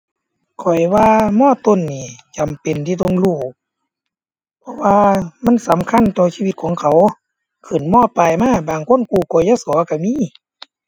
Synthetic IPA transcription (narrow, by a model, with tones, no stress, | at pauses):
kʰɔ˨˩jwaː˧mɔː˧˥˨t̪o˧˥˨nːiː˧˩t͡ɕa˨mpe˨nt̪ʰiː˧t̪o˧˨ŋluː˧˩ | pʰɔ˧˥ʔwaː˧ma˧˥˨nsa˨˦mkʰa˧˥˨nt̪ɔː˧˩siː˧˨˧i˧t̪̚kʰɔː˨˦ŋkʰa˨˩w | kʰɯ˨˩˨nmɔː˧˥˨pa˨˩jmaː˧˥˨baː˨˩ŋkʰo˧˥˨nkuː˧˩kɔː˧˨˩ja˧˥˨sɔ˨˦ka˧˩miː˧˥˨